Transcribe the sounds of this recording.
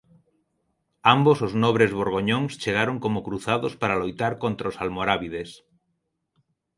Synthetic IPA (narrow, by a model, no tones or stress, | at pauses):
ambosoznoβ̞ɾezβoɾɣ̞oɲõŋst͡ʃeɣ̞aɾoŋkomokɾuθaðospaɾalojt̪aɾkont̪ɾaosalmoɾaβið̞es